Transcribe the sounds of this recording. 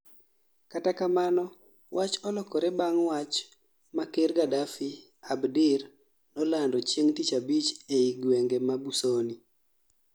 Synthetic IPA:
katakamanɔ | wʔat͡ʃɔlɔkɔɾɛbaŋwat͡ʃ | makerɡadafi | abdɪr | nɔlandɔt͡ʃeŋtit͡ʃabit͡ʃeiɡweŋɡemabusoni

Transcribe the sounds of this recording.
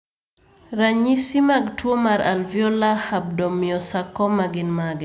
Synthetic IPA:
ɾaɲisimaɡtwomaɾa̰lvjɔlahab̚dɔmiɔsakːɔmaɡɪnmaɡɛ

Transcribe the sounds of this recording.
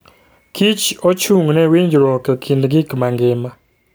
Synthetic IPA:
kʰit͡ʃot͡ʃuŋnɛwiɲd͡ʒɾɔkɛkʰindɡɪkmaŋɡɪma

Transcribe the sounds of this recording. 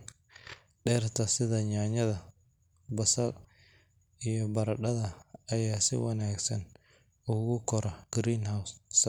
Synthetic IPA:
ɖɛːrt̪ʰɐsɪðɐɲaːɲɐðɐ | bɐsɐr | ijɔbɐɾɐɗɐðɐɐjaːsɪ̰wɐnaːɡsɐn | ʊɣʊkʰɔɾɐɡ̥ɾiːnhawss

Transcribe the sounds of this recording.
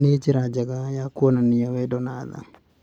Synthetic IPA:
ned͡ʒɪɾad͡ʒaɡajakuɔnaniawɛdɔnaða̰

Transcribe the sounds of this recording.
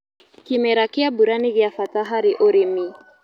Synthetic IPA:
kimɛɾakiabuɾaniɣjafataɦaɾiʔoɾimi

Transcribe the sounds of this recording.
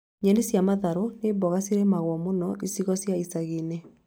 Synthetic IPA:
ɲɛnisjamaðaɾonebɔɣasiɾɛmaɣwɔmonɔʔisiɣɔsjaisaɣenɛ

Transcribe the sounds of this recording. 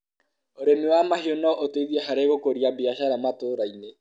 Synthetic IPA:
oɾemiwamahionɔʔoteiðiɛɦaɾeɣokoɾiabiaʃaɾamatoːɾaine

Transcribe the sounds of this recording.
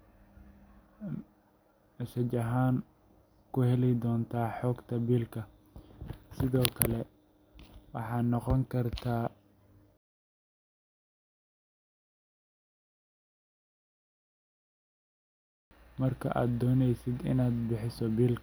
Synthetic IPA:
ʃɐt͡ʃɐɦaːn | kʰʊhɛlɛjd̪ɔːnt̪ʰaːħɔːɡt̪ʰɐbiːlkʰɐ | sɪðɔːkʰɐlɛ | wɑ̰ħɑːnɔqɔŋkʰɐrt̪ʰaː | mɐrkʰɐ̰ʔa̰ːd̪ːɔːnɛjsɪd̪ɪ̰naːd̪̚bɪħɪsɔbiːlkʰ

